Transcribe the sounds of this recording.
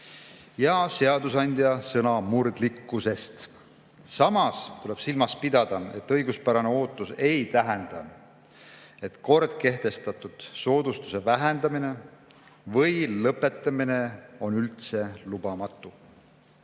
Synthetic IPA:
jɑse̞ɑd̪usɑnʲd̪̥jɑsɤnɑmurd̪likːuse̞st̪ | sɑmɑst̪ule̞b̥silmɑspid̪ɑd̪̥ɑe̞̰t̪ːˑɤjɡuspæɾɑne̞o̞ːt̪ːˑuse̞jt̪æɦɛnd̪̥ɑ | e̞t̪ko̞rd̪̥̚ke̞ht̪e̞st̪ɑt̪ud̪̥so̞ːd̪̥ust̪use̞væɦend̪̥ɑmine̞ | vɤjlɤpːˑe̞t̪ːˑɑmine̞o̞nylt̪se̞lub̥ɑmɑt̪ːˑu

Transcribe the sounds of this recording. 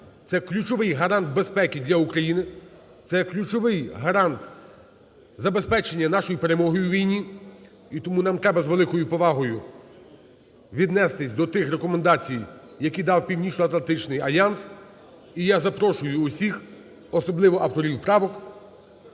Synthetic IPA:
t̪sɛklʲut͡ʃɔʋɪjɦɐɾɑnd̪̚be̞spɛkʲid̪ʲlʲɐukɾɐjinɪ | t̪sɛklʲut͡ʃɔʋɪjɦɐɾɑnt̪ | zɐbe̞spɛt͡ʃenʲːɐnɑʃɔjipeɾemɔɦɔjʊwʋʲijnʲi | it̪ɔmunɑmt̪ɾɛbɐzʋelˠɪkɔjʊpɔʋɑɦɔjʊ | ʋʲid̪nɛst̪ɪsʲd̪ɔt̪ɪxɾekɔmend̪ɑt͡sʲijjɐkʲid̪ɑwpʲiwnʲiʃnʲʊɐt̪lɐnt̪ɪt͡ʃnɪjɐlʲjɑns | ijazɐpɾɔʃʊjʊːsʲix | ɔsɔblˠɪʋɔʔɐwt̪ɔɾʲiwpɾɑʋɔk

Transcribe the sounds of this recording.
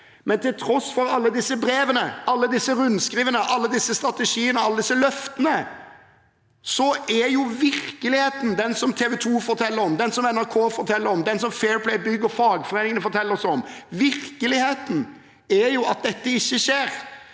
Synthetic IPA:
mɛnt̪ɪlt̪ʰɾɔsfɔɾɑlːəd̪ɪsːəbɾeːʋənəɑlːəd̪ɪsːəɾʉnskɾiːʋənəʔɑlːəd̪ɪsːəst̪ɾɑt̪əʂiːənəɑlːəd̪ɪsːəlœft̪ənə | sɔʔæjʊʋɪɾkəlɪheːt̪n̩d̪ɛnsɔmt̪ʰeːʋɛt̪ʰuːfɔɾt̪ʰɛlːəɾɔmd̪ɛnsɔmɛnæɾkʰoːfɔɾt̪ʰɛlːəɾɔmd̪ɛnsɔmfeːɹpʰlɛɪbʏɡːəɾfɑːɡfɔɾeːnɪŋənəfɔɾt̪ʰɛlːəɾsɔmʋɪɾkəlɪheːt̪n̩ | æɾjʊɑt̪̚d̪ɛt̪ːəɪçːəʃeːɾ

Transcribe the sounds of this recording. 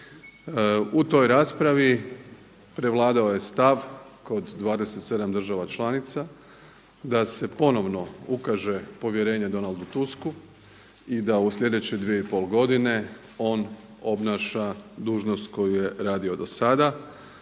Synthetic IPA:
ut̪o̞jɾaːspɾaʋi | pɾe̞ʋlˠaːd̪aoje̞st̪aʋko̞d̪ːʋaːd̪e̞se̞t̪se̞d̪amd̪rʒaʋat͡ʃlˠaːnit̪sa | d̪ase̞po̞no̞ʋno̞ukaʒe̞po̞ʋjeɾe̞ːɲe̞d̪o̞nald̪ut̪usku | id̪ausʎʲe̞d̪e̞t͡ɕed̪ʋije̞ipo̞ːlɡo̞d̪ine̞ | o̞ːn | o̞bnaːʃad̪uːʒnost̪ko̞juje̞ɾaːd̪io̞d̪o̞sad̪a

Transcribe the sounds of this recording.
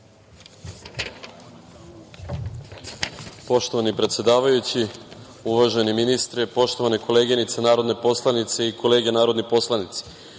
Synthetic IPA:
po̞ʃt̪o̞ʋanipɾe̞t̪sjed̪aːʋajut͡ɕi | uʋaʒeniminist̪ɾipo̞ʃt̪o̞ʋanekʰo̞leːɡenit̪senaːɾo̞d̪nepo̞slˠanit̪se̞iko̞le̞ːɡenaːɾo̞d̪nipo̞slˠanit̪se̥

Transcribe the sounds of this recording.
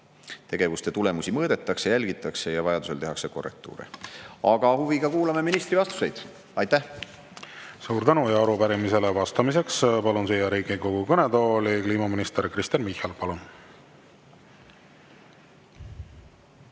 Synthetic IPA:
t̪eɡ̥e̞vust̪e̞t̪ule̞musʲimɤːd̪̥e̞t̪ːˑɑksejælʲɡ̥it̪ːˑɑkse̞jɑvɑjɑd̪use̞lt̪e̞ɦɑkse̞ko̞̰rːe̞̰k̚t̪ṵːɾḭɑɡ̥ɑhuviɡɑkuːlɑme̞minist̪ɾivɑst̪u̥se̞jd̪̥ | ɑjt̪ːæh | suːɾt̪ænujɑɑɾupæɾimise̞levɑst̪ɑmise̞kspɑlunsejɑɾiːɡiko̞ɡ̥ukɤned̪o̞ːlikliːmɑminist̪eɾkɾist̪enmihɑlpɑlun

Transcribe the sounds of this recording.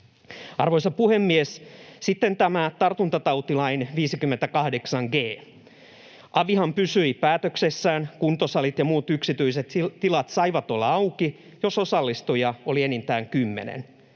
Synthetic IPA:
ɑrʋoisɑpuhemːiessit̪ːent̪æmæt̪ɑrt̪unt̪ɑt̪ɑwt̪ilɑinʋiːsikymːent̪ækɑhdeksɑŋɡeː | ʔɑʋihɑmpysyipæːt̪øksesːæːnkunt̪osɑlit̪jɑmuːt̪yksit̪yiset̪t̪ilɑt̪sɑiʋɑt̪o̞lːɑɑwki | jo̞sosɑlːist̪ujɑolienint̪æːŋkymːḛnḛn

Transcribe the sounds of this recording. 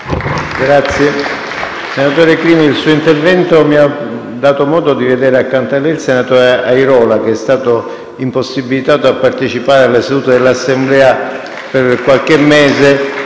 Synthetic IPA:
ɡɾat̪sːje | senat̪oːɾekɾiːmiilsuːoint̪ervɛnt̪omia | d̪ːaːt̪omɔːd̪od̪ived̪ɛːɾeakːant̪alːɛilsenat̪ɔːɾeajɾɔːlak̟eɛst̪aːt̪o | imposːibːilit̪aːt̪oapːart̪et͡ʃipaːɾealːesad̪uːt̪ed̪elːasːemblɛːa | perkwalk̟emːɛːze

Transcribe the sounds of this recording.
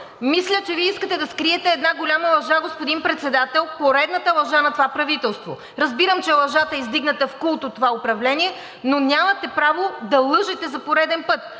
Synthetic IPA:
mislʲət͡ʃɛviɛiskət̪ɛd̪ɐskɾiɛt̪ɛːd̪naɡolʲamɐlˠɐʒaɡospʊd̪inpɾɛt̪sɛd̪at̪ɛlˠpoɾɛd̪nət̪əlˠɐʒanɐt̪ovapɾɐvit̪ɛlˠst̪vo̰ | ɾɐzbiɾəmt͡ʃɛlˠɐʒat̪əɛizd̪iɡnɐt̪əfkulˠt̪ot̪ːovaopɾɐvlɛnʲiɛ | nonʲamɐt̪ɛpɾavod̪ɐlˠɤʒɛt̪ɛzɐpoɾɛd̪ɛnpɤt̪

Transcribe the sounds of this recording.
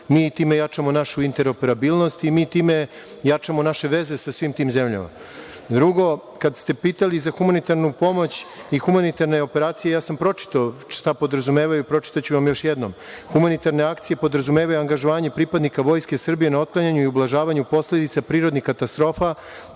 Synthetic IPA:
miːt̪iːme̞jat͡ʃamo̞naʃuint̪e̞ɾo̞pe̞ɾabilˠno̞st̪imiːt̪iːme̞ | jat͡ʃamo̞naʃe̞ʋe̞ze̞sasʋiːmt̪iːmze̞mʎa̰ma̰ | d̪ɾuɡo̞ | kad̪st̪e̞piːt̪alizaxumanit̪aɾnupo̞mo̞t͡ɕixumanit̪aɾne̞o̞pe̞ɾaːt̪sijejaːsampɾo̞t͡ʃi̥t̪aʃt̪apo̞d̪ɾazume̞ːʋajupɾo̞t͡ʃi̥t̪at͡ɕuʋamjoʃjed̪no̞mxumanit̪aɾne̞akt̪sije̞po̞d̪ɾazumeːʋajuaŋɡaʒoʋaːɲe̞pɾipad̪nikaʋo̞jske̞sr̩bije̞nao̞t̪̚klˠaɲaɲuiublˠaʒaːʋaɲupo̞sle̞d̪it̪sapɾiːɾod̪nixkat̪ast̪ɾo̞ːfa

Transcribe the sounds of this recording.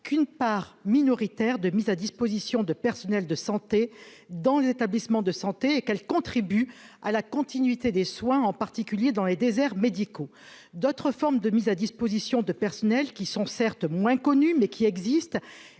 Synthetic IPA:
kʰynpaʁminɔʁit̪ɛʁd̪əmizad̪ispozisjɔ̃d̪əpɛʁsɔnɛld̪əsɑ̃t̪e | d̪ɑ̃lezet̪ablismɑ̃d̪əsɑ̃t̪eːkɛlkɔ̃t̪χibyalakɔ̃t̪inɥit̪ed̪eswɛ̃ɑ̃paʁt̪ikʲyljed̪ɑ̃led̪ezɛʁmed̪iko | d̪ot̪χəfɔʁmd̪əmizad̪ispozisjɔ̃d̪əpɛʁsɔnɛlkʲisɔ̃sɛʁt̪mwɛ̃kɔnymɛkʲʰiɛɡzist̪

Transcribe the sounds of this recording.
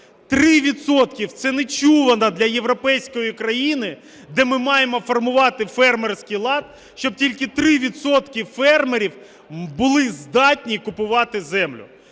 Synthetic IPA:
t̪ɾɪʋʲid̪sɔt̪kʲiwt̪sɛnet͡ʃuʋɐnɐd̪lʲɐje̞ʋɾɔpɛjsʲkɔjikɾɐjinɪ | d̪ɛmɪmɑjemɔfɔrmʊʋɑt̪ɪfɛrmersʲkʲijlˠɑt̪̚ | ʃt͡ʃɔb̚tʲilʲkɪt̪ɾɪʋʲid̪sɔt̪kɪfɛrmeɾʲiw | bʊlˠɪzd̪ɑtʲnʲikʊpʊʋɑt̪ɪzɛmlʲʊ̰

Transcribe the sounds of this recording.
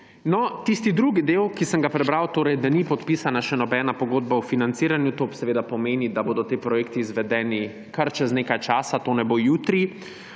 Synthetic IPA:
nɔt̪ist̪id̪ɾuɡid̪eːwkisəŋɡapɾɛbɾawt̪oːɾɛjd̪anipɔt̪piːsanaʃɛnɔbɛːnapɔɡoːd̪baufinant̪siːɾanjut̪oːsɛʋeːd̪apɔmeːnid̪aboːd̪ɔt̪eːpɾɔjeːkt̪iːzʋɛd̪ɛːni | kaɾt͡ʃɛzneːkajt͡ʃaːsat̪oːnɛboːjuːt̪ɾi

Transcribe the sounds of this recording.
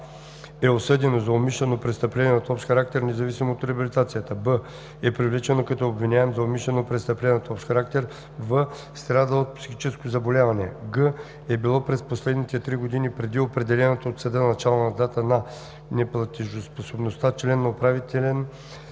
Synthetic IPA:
ɛosɤd̪ɛnozɐomiʃlɛnopɾɛst̪ɐplɛnɛɐt̪ɔpʃt̪xɐɾak̚t̪ɛɾnɛzɐvisimoːt̪ɾɛɐbilit̪at̪sijət̪əbə | ɛpɾivlɛt͡ʃɛnokɐt̪oobvinʲaɛmzɐomiʃlɛnopɾɛst̪ɐplɛnot̪ɔpʃxɐɾak̚t̪ɛɾ | və | st̪ɾad̪əot̪̚psixit͡ʃɛskozɐbolʲavɐnɛ̰ɡə | ɛbilˠɔpɾɛsposlɛd̪nit̪ɛt̪ɾiɡod̪inipɾɛd̪iopɾɛd̪ɛlɛnɐt̪oot̪sɐd̪ənɐt͡ʃalˠonɐd̪at̪ənɐ | nɛplˠɐt̪iʒosposobnost̪at͡ʃlɛnːɐopɾavit̪ɛlʲɛn

